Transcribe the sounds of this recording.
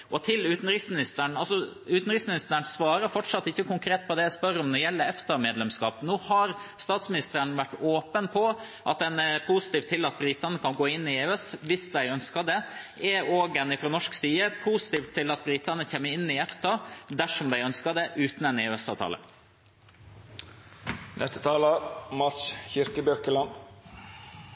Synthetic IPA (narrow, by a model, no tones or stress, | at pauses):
ʔɔt̪ʰɪlʉːt̪n̩ɾɪsmɪnɪst̪əɳɑlsɔ | ʉːt̪n̩ɾɪksmɪnɪst̪əəɳsʋɑːɾəfɔʈʂɑt̪ːɪçːəkʊŋkʰɾeːt̪̚pʰɔd̪ɛæspœɾɔmnɔɾjɛlːəɾɛft̪ɑmeːd̪lɛmskɑ̰ːpnoːhɑɾst̪ɑːt̪smɪnɪst̪əɾənʋæʈːoːpənpʰɔ | ʔɑt̪ɛnpʰʊsɪt̪iːft̪ʰːɪlːɑt̪̚bɾɪt̪ɑnəkɑnɡoːɪnːɪeʉɛsʋɪsd̪æɪœnskɑd̪ɛɛoːɡɛnɪfɾoːnɔʂksiːəpʰusɪ̥t̪iːft̪ʰːɪlɑt̪̚bɾɪt̪ɑnəçeːmːəɪnːɪɛft̪ɑd̪æʂɔmd̪æɪœnskɑd̪ɛʔʉːt̪nɛneʉɛsɑːʋt̪ʰɑ̰ːlə̰ | nʔɛst̪ə̥t̪ʰɑːləmɑsçɪɾkəbjœɾkəlɑn